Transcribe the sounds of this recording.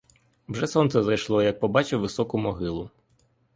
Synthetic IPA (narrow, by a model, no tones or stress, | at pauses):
wʒɛsɔnt̪sɛzɐjʃlˠɔjɐk̚pɔbɑt͡ʃɪwʋɪsɔkʊmɔɦɪlˠʊ